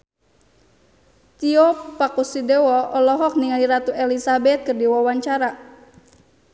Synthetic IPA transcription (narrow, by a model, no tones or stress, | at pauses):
t̪iɔpakusidɛwɔʔɔlɔɦɔk̚niŋaliɾat̪uɛlisabɛt̪̚kərdiwɔwaɲt͡ʃaɾa